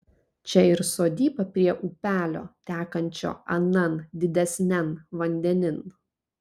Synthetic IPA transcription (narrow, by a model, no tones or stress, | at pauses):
t͡ʃʲɛɪɾsoːd̪ʲiːbɐpʲɾʲiɛʔupʲæːlʲo̰ːt̪ʲæːkɐnʲt͡ʃʲo̰ːɐnɐnd̪ʲɪd̪ʲɛsʲnʲɛnʋɐnʲd̪ʲɛnʲɪn